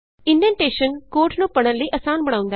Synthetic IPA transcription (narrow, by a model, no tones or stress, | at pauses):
ɪ̃ndiənʈeːʃənkoːɾʈnũːpəɽ̃ə̃nləiːʔɐsaːnbəɽ̃aːʊ̃nd̪a